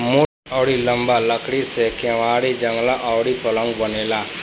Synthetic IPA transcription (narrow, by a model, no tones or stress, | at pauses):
mʊ | ɔːɽilɐ̃mbaləkɽisekeʋaːɽid͡ʒə̃ŋɡlaʔɔːɽipɐlə̃ŋɡbɐneːlaː